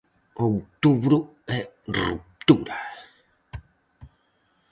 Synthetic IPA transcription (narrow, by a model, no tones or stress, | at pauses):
owt̪uβɾuɛrṵp̚t̪uɾa